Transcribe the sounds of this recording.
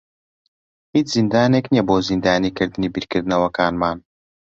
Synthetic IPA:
hiːt͡ʃz̥ind̪aːneknijɛboːzind̪aːniːkɨɾd̪ɨniːbiɾkɨɾd̪ɨnɐwɐkaːnmaːn

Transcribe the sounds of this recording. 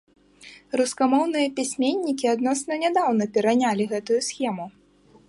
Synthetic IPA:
ruskamɔwnɨjɐpʲisʲmʲenʲːikʲiad̪nɔsnɐnʲɛd̪awnɐpʲɛɾɐnʲalʲiɣɛt̪ujusxʲɛmu

